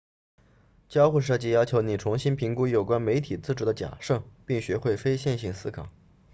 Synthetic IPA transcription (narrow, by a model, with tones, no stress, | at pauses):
t͡ɕjɑ˥ʊxu˥˧ʂ̬ɤ˥˧t͡ɕi˥˧jɑ˥ʊt͡ɕʰjo˧˥ʊni˨˩ʈ͡ʂʰʊ˧˥ŋɕi˥npʰi˧˥ŋku˥jo˨˩kwa˥nme˧˥ɪt̪ʰi˨˩t͡sɹ̩˥˩ʈ͡ʂu˧˥d̪ə˧t͡ɕja̰˨˩ʂɤ˥˩ŋpi˥˩ŋɕɥɛ˧˥xwe˥˩ɪfe˥ɪɕjɛ˥˧nɕi˥˩ŋsɹ̩˥kʰɑ˨˩˦